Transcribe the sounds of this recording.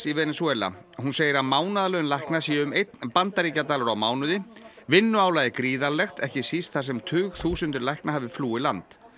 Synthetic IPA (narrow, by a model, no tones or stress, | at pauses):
sivɛːnɪswɛːla̰hunseːjɪɾaðmaːwnaðalœːjʏnlajhknasiːɪʏmejt̪npant̪aɾiːcat̪aːlʏɾawmaːwnʏðɪvɪnːʏaːwlaðɪkɾiːðalɛxt̪ʰɛhcɪsist̪θaɾs̬ɛmt̪ʰʏːɣθuːsʏnt̪ʏɾlajknaɦaːvɪfluːɪlant̪